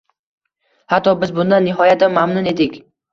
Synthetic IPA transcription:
hat̪ʰːɒbɪzbʊnd̪anːɪɦɒjat̪amamnʊne̞d̪ɪkʲ

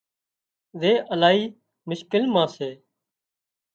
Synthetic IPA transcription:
ʋeːʔəlaːiː | mʊʃkɪlmãːseː

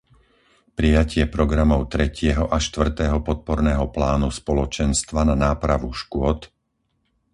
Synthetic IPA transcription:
pɾijacɪɛpɾɔɡɾamɔʊt̪ɾɛcɪɛɦɔʔaʃt̪ʋr̩t̪ɛːɦɔpɔt̪̚pɔɾnɛːɦɔplaːnuspɔlɔt͡ʃɛnst̪ʋananaːpɾaʋuʃkʊɔt̪

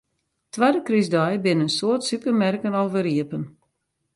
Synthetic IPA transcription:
tʋadəkryzdɔjbɪnənsoətsypərmɛrkənɔwvəɾiəpən

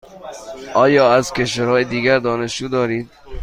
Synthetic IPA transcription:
ʔɒːjɒːæzkʰeʃʋæɾɒːjed̪iːɡæɾd̪ɒːneʃd͡ʒuːd̪ɒːɾiːd̪̚

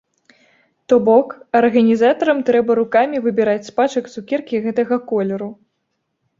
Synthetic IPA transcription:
t̪ɔbɔkɐrɣɐnʲizat̪ɐɾɐmt̪ɾɛbɐɾukamʲivɨbʲiɾat͡sʲspat͡ʂɐkt̪ukʲɛrkʲiɣɛt̪ɐɣɐkɔlʲɛɾu

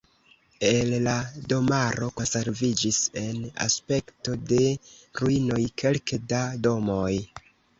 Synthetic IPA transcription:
e̞llado̞maɾo̞ko̞nse̞ɾvid͡ʒise̞na̰spe̞kto̞de̞ɾuino̞jkʰe̞lkedado̞mo̞j

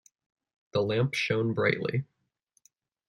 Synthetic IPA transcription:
ðəlæ̃mpʃõʊ̃nbɹaɪʔˡlḭ

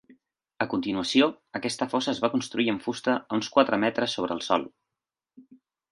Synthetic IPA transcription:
əkunt̪inuəsio | əkɛst̪əfɔsəːzβakunst̪ɾuiəɱfust̪əunskwat̪ɾəmɛt̪ɾəsːoβ̞ɾəːlˠsɔ̰lˠ

